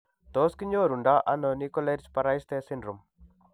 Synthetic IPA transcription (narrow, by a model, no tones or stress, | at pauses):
t̪oːskiɲd͡ʒoːɾuɳɖaʔɐnːonikoleɾspɐɾajist̪eːsiɳɖɾum